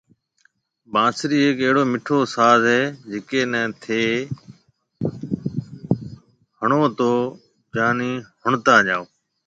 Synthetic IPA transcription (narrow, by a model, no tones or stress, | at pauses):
bãːsɾiːɦeːkəɦɪɽoːmɪʈʰoːsaːzɦeːd͡ʒɪkeːnɛ̃ːt̪ʰeː | həɳoːt̪oː | d͡ʒaːniːhʊɳt̪aːʄaːoː